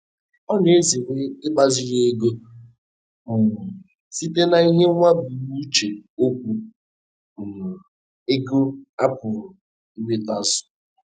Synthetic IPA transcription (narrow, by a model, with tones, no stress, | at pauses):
ɔ˦ne˦zi˨ɾe˦ɪ˦ɡ͡ba˦zɪ˦ɾe˦e˦ɡo˦ | m̩˨ | si˦te˦na˦i˦ɦe˦ŋʷa˦bu˨wu˦t͡ʃe˨o˦kʷu˦˨ | n̩˨ | e˦ɡo˦a˦pʊ˨ɾʊ˨ | i˦we˦ta˦zʊ̥˨